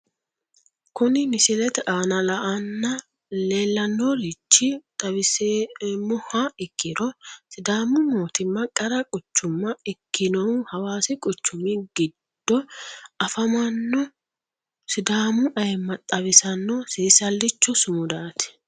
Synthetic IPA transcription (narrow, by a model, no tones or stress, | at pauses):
kʊnɪnɪsɪlɛt̪ʔaːnɐlɐʔɐnːɐ | le̞ːlːɐnːɔlɪt͡ʃːɪt̪ʼɐβɪsemʊhɐɪkːɪɾɔsɪd̪aːmʊmoːt̪ɪmːɐkʼɐɾɐkʼɔt͡ʃːʊmːɐɛkːɪnɔwhɐwaːsɪkʼɔt͡ʃːʊmɪɡɪd̪̥ːɔɐfɐmɐnːɔ | sɪd̪aːmʊʔɐjɛmːɐt̪ʼɐβɪsɐnːɔsiːsɐlːɪt͡ʃːɔsʊmʊd̪aːt̪ɛ̥